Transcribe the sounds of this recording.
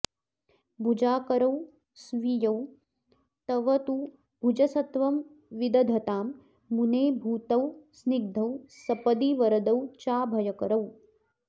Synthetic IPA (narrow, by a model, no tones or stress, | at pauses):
bʱud͡ʒaːkɐɾɐw | sʋijɐw | t̪ɐʋɐt̪u | bʱud͡ʒɐsɐt̪ʋɐm | ʋid̪ɐd̪ʱɐt̪aːmː | uneːbʱuːt̪ɐwsniɡ̚d̪ʱɐwsɐpɐd̪iʋɐɾɐd̪ɐwt͡ʃaːbʱɐjɐkɐɾɐw